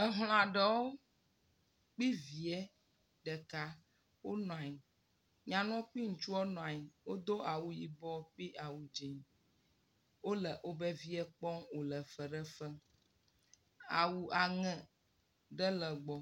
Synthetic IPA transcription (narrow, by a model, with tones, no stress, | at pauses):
ə˨ɦl̃ã˨ɖɛ˦woo˦ | k͡pi˦vi˨ɛ˦ | ɖɛ˨ka˦ | wo˦nɔ̃˨a˨ji˨ | ɲã˨nɔ̃˦k͡pi˦ŋ̩˨t͡ʃu˦ɔ˦nɔ̃˨a˨ji˨wo˦d̪o˦a˨wu˨ji˨bɔ˦k͡pi˦ʔa˨wu˨d͡ʒi˨ɲ˨ | wo˦lɛ˨ʔo˦bɛ˦vi˦ɛ˦k͡pɔ˦ŋwo˨lɛ˨fə˨ɖɛ˦fɛ˦ | a̰˨wu˨a˨ŋɛ̃˦ | ɖɛ˦lə˨ɡ͡bɔ˦